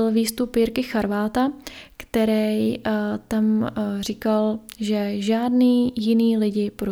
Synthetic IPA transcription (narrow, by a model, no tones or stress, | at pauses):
ɪlviːst̪upiɾkɪxaɾvaːt̪akt̪ɛɾɛjt̪amr̝ɪkalʒɛʒaːdniːjɪniːlɪɟɪpɾo